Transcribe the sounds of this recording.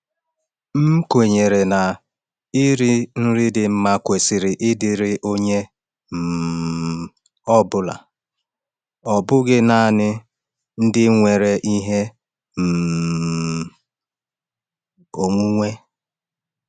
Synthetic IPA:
m̩˦kʷe˨ɲe˨ɾe˨na˨ | i˦ɾi˦n̩˦ɾɪ˦dɪ˨m̩˦ma˦kʷe˨sɪ˨ɾɪ˨ʔɪ˦dɪ˨ɾɪ˦ʔo˦ɲe˦ | m̩˨ | ɔ˦bʊ˦la̰˨ | ɔ˨bʊ˦ɡɪ˦na˦˨nɪ˦ | n̩˦dɪ˦ŋʷe˨ɾe˨ʔi˦ɦe˦ | m̩˨ | o˨ŋʷu˦ŋʷe˦

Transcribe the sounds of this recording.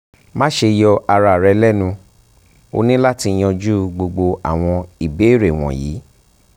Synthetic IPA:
mã˦ʃe˧jɔ˧a˧ɾa˧˨ɾɛ˧lɛ˦˨nũ˧ | o̰˧nĩ˦la˦ti˧˦j̃ɔ̃˧d͡ʒu˦ɡ͡bo˧ɡ͡bo˧a̰˨w̃ɔ̃˧i˨be˨˦˨ɾe˨w̃ɔ̰̃˨jḭː˨˦

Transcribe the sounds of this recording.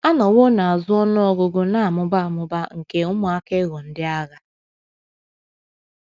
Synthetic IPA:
a˦nɔ˨wo˦na˨a˨zʊ˦ɔ˦nʊ˦ɔ˦ɡʊ˦ɡʊ˦na˨a˨mʊ˦ba˦a˨mʊ˦ba˦ŋ̩˨ke˦ʊ˦mʊ˨a˦ke˦ɣɔ˨n̩˦dɪ˦a˦ɣa˨

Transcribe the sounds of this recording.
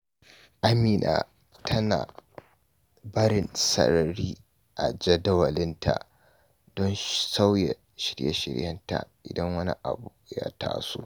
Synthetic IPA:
ʔa˦miː˨nʔaː˨ | tʰɐ˦naː˨ | bɐ˦ɽɪ˨nsɐ̰˨ɾɐ˨ɾiː˦ | ʔa˨d͡ʒɐ˦dɐ˦wɐ˨lɪ˦ntʰa̰˨ʔ | dɔ˦nsa˦wjɛ˨ | ʃɪ˦ɽjɐ̰˦ʃɪ̰˨ɽjɐ˦nta̰˨ʔɪ˨dɐ˦ŋwɐ˦nḭ˦ʔa˨bu˨ja˦ta̰ː˦sṵ˦

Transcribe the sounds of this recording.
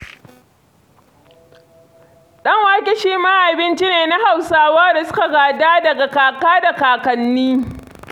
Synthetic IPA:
ɗɐ˦ŋwaː˦kʲɪ˦ʃiː˦ma˦ʔa˨bɪ˦nt͡ʃi˦neː˨na˦ha˨wsaː˦waː˦da˨sʊ˦ka˨ɡaː˨daː˦dɐ˨ɡa˨kaː˨kaː˦da˨kaː˨kɐ˨nːiː˦

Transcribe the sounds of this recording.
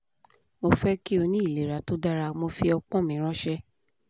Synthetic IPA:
mo˧fɛ˦ki˦o˧nĩ˦i˦˨le˨ɾa˨to˦da˦ɾa˧mo˧fi˧˦ɔ˧k͡pɔ̃˦˨mĩ˨˦ɾ̃ɔ̃˦ʃɛ˦

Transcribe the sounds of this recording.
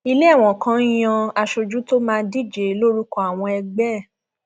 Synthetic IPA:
i˧le˦a˦˨w̃ɔ̃˨kã˨˦j̃ɔ̃˧a˧ʃo˧d͡ʒu˦to˦mãː˧di˦˨d͡ʒe˨˦lo˦ɾu˦kɔ˧˨a˨w̃ɔ̃˧ɛ˧ɡ͡bɛ˦˨

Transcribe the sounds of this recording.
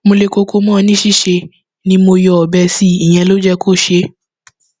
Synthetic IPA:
mo˧le˧˨ko˧kʰo˧mɔ̃˦˨˦nĩ˦ʃi˦˨ʃe˧ | nĩ˧mo˧jɔ˨ɔ˨bɛ˧si˦i˨j̃ɛ̃˧lo˦d͡ʒɛ˦kʰo˦˨ʃe˧˦

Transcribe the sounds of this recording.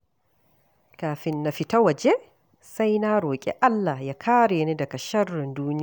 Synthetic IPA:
kaː˨ɸɪ˦nːa˨ɸi˦ta˦wɐ˨d͡ʒe˦ | sa˦jnaː˦ɾoː˨kʲʼɛ̰˦ʔa˦lːa˨hja˦kʰaː˦ɽeː˨ni˦dɐ˨kɐ˨ʃɐ˦rːɪ˨nduː˦nɪ˦˨

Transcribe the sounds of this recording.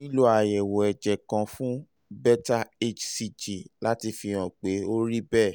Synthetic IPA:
nĩ˦lu˦a˨jɛ˨wɔ˨ɛ˨d͡ʒɛ˨kã˧fũ˦ | bɛ˦ta˦e˦t͡ʃsi˧d͡ʒi˨la˦ti˧fĩ˧ã˨k͡pe˨˦o˦ɾi˦bɛ˦˨

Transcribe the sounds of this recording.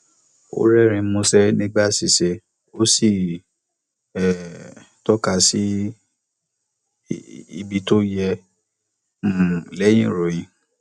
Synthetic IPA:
o̰˦ɾɛ˦˨ɾ̃ĩ˨˧˦mõ˧sɛ˦nĩ˦ɡ͡ba˦˨si˨se˧ | o˦si˦˨ | ɛ˦˨ | tɔ˦ka˧si˦ | ḭ˧bi˧to˦jɛ˧ | m̩˦˨lɛ˨˦j̃ĩ˦˨ɾo˨j̃ĩ˨˧

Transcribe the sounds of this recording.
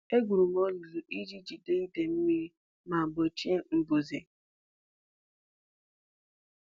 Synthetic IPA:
e˦ɡʷu˨ɾu˨m˦ɔ˦lu˨ɾu˨ʔi˦d͡ʒi˦d͡ʒi˨de˦ni˦de˨m̩˦mi˦ | ma˨bɔ˨t͡ʃi˦e˦m̩˦bu˨ze˨

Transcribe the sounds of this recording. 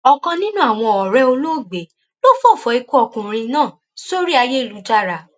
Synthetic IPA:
ɔ˧kã˧nĩ˦nũ˦a˨w̃ɔ̃˧ɔ˨ɾɛ˧˦o˧lo˦˨ɡ͡be˨˦ | lo˦fo˦˨fɔ˨˦i˧ku˦ɔ˦˧˨kũ˨ɾ̃ĩ˧nãː˦˨ | so˦ɾi˦a˧je˦i˦˨lu˨˦ta˦˨ɾa˨

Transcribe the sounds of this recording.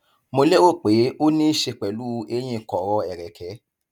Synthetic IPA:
mo˧le˦wo˦˨k͡pe˨˦o˦nĩ˦ʃe˧k͡pɛ˨lu˦˧e˧j̃ĩ˧˨kɔ˨ɾɔ˧ɛ˨ɾɛ˨kʰɛ˨˦

